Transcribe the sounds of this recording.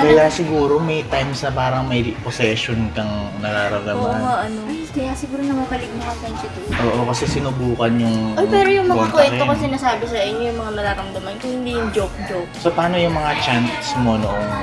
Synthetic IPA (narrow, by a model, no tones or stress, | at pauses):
kɐlasɪɡuːɾo̞mɐjt̪ajmsnɐpaːɾɐŋmɐjposɛʃonkɐŋnɐɾaɾɐŋd̪ɐoaʔɐnokɐjasɪɡuːɾonɐmɐbɐlɪk̚mɐkɐkɛnsɪt̪oʔoːʔokɐsɛsɪnʊbuːkɐnjʊŋojpɛɾojʊŋmɐakwɛnokɐsɪnaːsaːbɪsɐʔɪɲːojʊŋmɐŋanɐɾaːɾɐmd̪ɐmankʊŋhɪnd̪ijʊŋd͡ʒop̚d͡ʒosopaːnojʊŋmɐŋat͡ʃansmo̞noʔon